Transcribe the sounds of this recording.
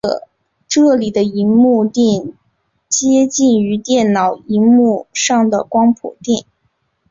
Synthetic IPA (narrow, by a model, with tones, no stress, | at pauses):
ʈ͡ʂɤ˥˩li˨˩d̪ə˦i˧˥mu˥˧t̪i˥˩n | t͡ɕjɛ˥t͡ɕi˥˩ny˧˥t̪jɛ˥˩nnɑ˨˩ʊi˧˥mu˥˧ʂɑ˥˩ŋd̪ə˩kwɑ˥ŋpʰṵ˨˩t̪i˥˩n